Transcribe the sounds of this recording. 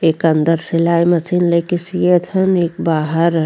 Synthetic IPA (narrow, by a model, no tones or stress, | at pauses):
eːkɐnd̪əɾsɪlaːimɐsinlekisjet̪ʰəneːkbaːɦəɾ